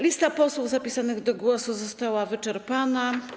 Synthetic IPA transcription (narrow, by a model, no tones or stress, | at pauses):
lʲist̪apɔswuvzapʲisanɘɣd̪ɔɡwɔsuzɔst̪awavɘt͡ʂɛɾpana